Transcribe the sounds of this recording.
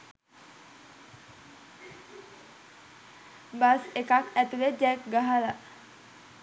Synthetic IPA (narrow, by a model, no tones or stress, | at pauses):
basekak̚ɛt̪iled͡ʒak̚ɡaɦala